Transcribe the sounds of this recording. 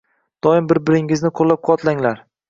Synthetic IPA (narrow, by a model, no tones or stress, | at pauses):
d̪̥ɒɪmbɪɾbɪɾɪŋɪznɪqʰolːap̚qʰʊɒt̪ʰlaŋlaɾ